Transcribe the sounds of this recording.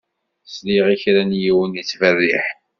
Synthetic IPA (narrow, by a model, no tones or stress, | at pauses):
sliʁiçɾænjiwənit͡sːvərːiħ